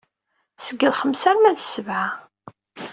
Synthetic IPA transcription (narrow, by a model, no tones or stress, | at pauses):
səɡːəðχəmsæɾmæðsəvʕa